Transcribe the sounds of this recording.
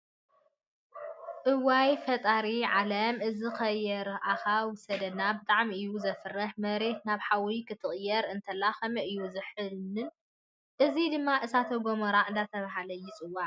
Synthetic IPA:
ʔɨwajfɐt̪ʼaɾiʕalɐmʔɨzixɐjːɛɾaxawʊsɐd̪ɐnːabɨt̪ʼaʕmiɨjːuzɐfɨrːɐħmɐɾe̞t̪̚naβħawikʰɨt̪ʰɨχʼjːɛɾɨnt̪ʰɐlːaxɐmɐʔɨjːuzɨħɨlɨn | ʔɨzid̪ɨmːaʔɨsat̪ʰɐɡomɐɾaʔɨnd̪at̪ʰɐβaɦalɐjːɪt͡sʼɨwːaʕ

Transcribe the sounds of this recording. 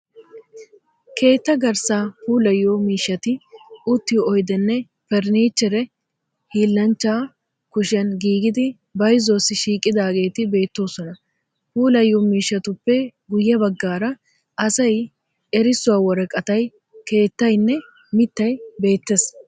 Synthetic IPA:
kʰe̞ːt̪ːɐɡɐɾsaːpuːlɐjːoːmiːʃːɐt̪ɪʊt̪ːɪjɔjd̪ɛnːɛ | fɛɾniːt͡ʃːɛɾɛ | hiːlːɐnt͡ʃːaː | kʊʃɐnɡiːɡɪd̪ɪ | bɐjzoːsːɪʃiːkʼːɪd̪aːɡe̞ːt̪ɪbe̞ːt̪ːo̞ːsɔnɐ | puːlɐjːoːmiːʃːɐt̪ʊpːɛɡʊjːɐbɐɡːaːɾɐ | ʔɐsɐj | ɛɾɪsːʊwaːwɔɾɛkʼɐt̪ɐj | ke̞ːt̪ːɐjnːɛ | mɪt̪ːɐjbe̞ːt̪ːes

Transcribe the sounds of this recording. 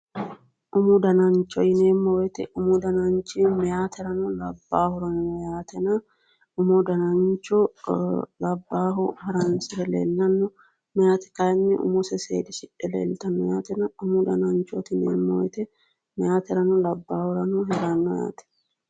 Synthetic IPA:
ʔʊmʊd̪ɐnɐnt͡ʃːɔjɪne̞ːmːɔwɛt̪ɛʔʊmʊd̪ɐnɐnt͡ʃːɪmɛjaːt̪ʰɛɾɐnɔlɐbːaːhʊɾɐnnɔjaːt̪ɛnɐ | ʊmɔd̪ɐnɐnt͡ʃːɔ | lɐbːaːɦʊhɐɾɐnsɪɾɛlḛːlːɐnːɔ | mɛjaːt̪ɛ̥kɐjnːɛʔʊ̰mʊsɛsḛːd̪ɪʃɪᶑɛlḛːlt̪ɐnːɔja̰ːt̪ɛnɐʊmʊd̪ɐnɐnt͡ʃːɔt̪ɪnḛːmːɔwɛt̪ɛ | mɛjaːt̪ɛɾɐnɔlɐbːaːhʊɾɐnɔɦɛɾɐnːɔja̰ːt̪ɛ̥

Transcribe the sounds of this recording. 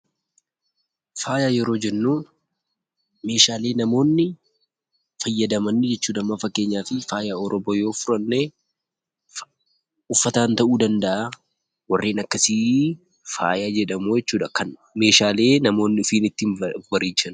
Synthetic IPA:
faːjaːjɛɾo̞ːd͡ʒɛnːuː | me̞ːʃaːle̞ːnɐmo̞ːnːɪ | fɐjːɐd̪ɐmɐnːɪd͡ʒɛt͡ʃːuːᶑɐmːɐfɐkːeːɲːaːfɪfaːjaːɔɾɔboːjo̞ːfʊɾɐnːeː | ʊfːɐt̪aːnt̪ɐʔuːd̪ɐnd̪ɐʔa | wɐrːeːnɐkːɐsi | fa̰ːjaːd͡ʒɛᶑɐmoːjɛt͡ʃːuːᶑɐkɐnme̞ːʃaːle̞ːnɐmo̞ːnːɪʊfiːnɪt̪ːinwɐɾiːt͡ʃːɐn

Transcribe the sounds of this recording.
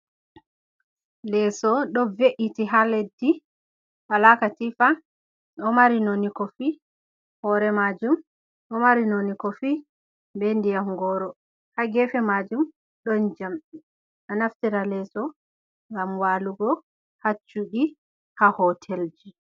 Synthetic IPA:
lɛsɔɗɔveʔitiɦaledːi | walakatifa | ɗɔmaɾinonikɔfi | hɔɾɛmad͡ʒum | ʔɔmaɾinonikɔfi | bɛndijamɡɔɾɔ | haɡɛfɛmad͡ʒum | ɗɔnd͡ʒamɗi | ʔanaftiɾalɛsɔ | ŋɡamwaːluɡɔ | hat͡ʃːuɗi | hahɔtʰɛld͡ʒi

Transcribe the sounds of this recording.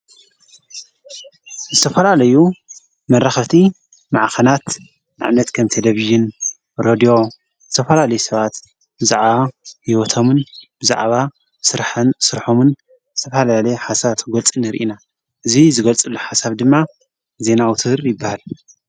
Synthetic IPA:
zɨt̪ʰɐfɐlalɐju | mɐɾaxɐβt̪ʰi | maʕxɐnat̪ | na̰ʕnɐt̪kʰɐmt̪ʰeleβiʒɪn | ɾod̪ijo̞ | z̥ɨt̪ʰɐfɐlalɐjusɐβat̪ | bɨza̰ʕβajiwɔt̪ʰomɨnb̥ɨza̰ʕβa | sɨɾħɐnsɨɾħomɨn | zɨt̪ʰɐfɐlalɐjħasat̪ɡolt͡sʼɨnɨɾʔina | ʔɨzizɨɡɐlt͡sʼɨlːoħasaβd̪ɨmːa | ze̞nawut̪ʰɨhɾjɪbːahal

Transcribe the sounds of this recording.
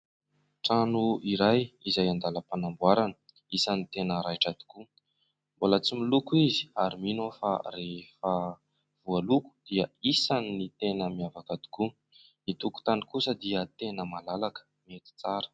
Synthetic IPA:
ʈ͡ʂanuiɾajizajand̪aləpanambuaɾanə̥ | isanit̪enəɾajʈ͡ʂad̪i̥ku | mbolət͡similukuizi̥aɾiminofa̰refə | v̥ualuku̥d̪̥iəisanːit̪enəmiavakad̪i̥ku | it̪uku̥t̪anikusəd̪iət̪enəmalalakə̥ | miet̪i̥t͡saɾə̥

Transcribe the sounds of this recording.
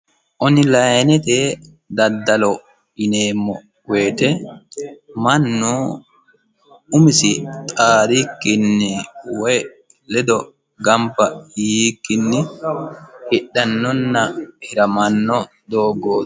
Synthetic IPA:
ʔɔnɪlɐjnɛt̪e | d̪ɐd̪ːɐlɔ | ɪneːmːɔ | weːt̪ɛ | mɐnːu | ʊmɪsɪt̪ʼaːɾikːɪnːɪwɔj | lɛd̪ɔ | ɡɐmpːɐjiːkːɪnːɪ | hɪɗːɐnːɔnːɐhɪɾɐmɐnːɔ | d̪oːɡoː

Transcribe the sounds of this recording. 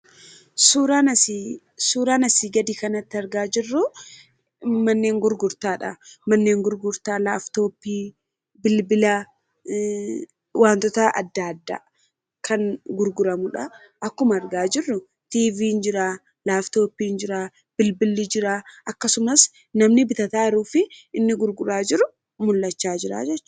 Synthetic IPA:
suːɾaːnɐsi | suːɾaːnɐsiːɡɐd̪ikɐnɐt̪ːɪɐɾɡaːd͡ʒɪrːʊ | mɐnːe̞ːŋɡʊɾɡʊɾt̪aːᶑɐ̰mɐnːe̞ːŋɡʊɾɡʊɾt̪aːlaːft̪o̞ːpːiː | bɪlbɪla | waːnt̪ɔt̪ɐʔɐ̰d̪ːad̪ːa̰ː | kʰɐŋɡʊɾɡʊɾɐmʊᶑɐ | ʔɐkːʊmɐɾɡaːd͡ʒɪrːʊ | t̪iːviːnd͡ʒɪɾaː | laːft̪o̞ːpːiːnd͡ʒɪɾaː | b̥ɪlbɪlːɪd͡ʒɪɾaːʔɐkːɐsʊmɐs | nɐmnɪbɪt̪ɐt̪aːɪɾuːfɪʔɪnːɪɡʊɾɡʊɾaːd͡ʒɪɾʊ | mʊlːɐt͡ʃːaːd͡ʒɪɾa̰ːd͡ʒɛt͡ʃːɐ̥

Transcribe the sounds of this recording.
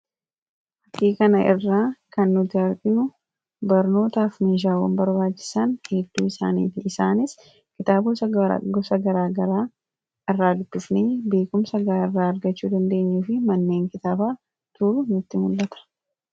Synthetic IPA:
hɐkːiːkɐnɐʔɪ̰rːaːkɐnːʊt̪ːɪɐɾkʼɪnʊ | bɐɾno̞ːt̪aːfmeːʃ̬aːwɐ̰mbɐɾbaːt͡ʃːɪ̥sɐnhɛd̪ːuːɪsa̰ːnḭːfɪɪsaːnɪs | kɪt̪aːbʊsɐɡ̰ɡɔsɐɡɐɾaːɡɐɾaː | ɪrːaːd̪ʊbːɪfneːbe̞ːkʊmsɐɡaːɪrːaːɐɾɡɐt͡ʃːuːd̪ɐnd̪e̞ːɲːuːfɪmɐnːe̞ːŋkɪt̪aːbaː | t̪ʊːɾʊnʊt̪ːɪmʊlːɐt̪ɐ̥

